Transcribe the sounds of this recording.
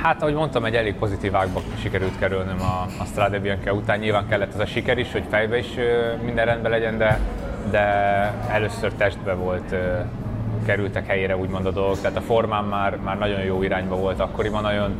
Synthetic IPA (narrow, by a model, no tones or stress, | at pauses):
haːt̪ɒɦo̞ɟmo̞nt̪ɒmɛɟːɛleːɡ̚po̞zit̪iːvaːɡbɒʃikɛɾylt̪kɛɾylnɛmɒːst̪rad̪ɛbiɛŋkɛut̪aːɲːilvaːŋkɛlːɛt̪ːɒzɒʃikɛɾiʃho̞cfɛjbɛiʃømind̪ɛrɛnd̪bɛlɛɟɛnd̪ɛ | d̪ɛɛløːsørt̪ɛʒd̪bɛvo̞lt̪ː | kɛɾylt̪ɛkhɛjeːɾɛuːɟmo̞nd̪ɒd̪o̞lˠɡo̞kt̪ɛaːt̪ɒfo̞rmaːmːaːrmaːrnɒɟo̞joːiɾaːɲbɒvo̞lt̪ɒkːo̞ɾibɒnɒjon